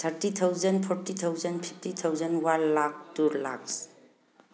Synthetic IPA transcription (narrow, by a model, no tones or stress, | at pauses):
t̪ʰəɾtit̪ʰawzənpʰɔɾtit̪ʰawzənpʰi̥p̚ʰtit̪ʰawzənwanlak̚tuɾla̰ks